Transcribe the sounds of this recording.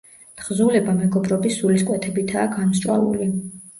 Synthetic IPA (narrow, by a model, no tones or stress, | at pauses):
t̪χzulɛbamɛɡɔbɾɔbisːuliskʼwɛt̪ʰɛbit̪ʰaːɡanst͡ʃʼwa̰ṵli